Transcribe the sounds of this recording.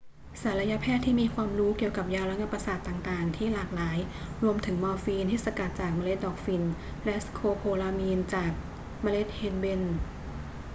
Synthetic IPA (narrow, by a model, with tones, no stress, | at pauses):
sa˨˩˦ɾa˧ja˦˥pʰɛː˥˩t̪ʰːiː˥˩miː˧kʰwaː˧mɾuː˦˥ki˨˩əwka˨˩p̚jaː˧wɾa˦˥ŋa˧˥pːa˧saː˨˩t̪ːaː˨˩ŋt̪aː˨˩ŋt̪ʰiː˥˩laː˨˩k̚laː˩˦jɾu˧əmt̪ʰɯ˩˦ŋmɔː˧fiː˧nt̪ʰiː˥˩sa˧ka˨˩t̪̚t͡ɕaː˨˩k̚ma˧le˦˥t̪̚dɔː˨˩k̚fi˧n | lɛ˦˥skʰoː˧pʰoː˧laː˧miː˧nt͡ɕaː˨˩k̚ | maː˧le˦˥t̪̚heː˧nbe˧˩n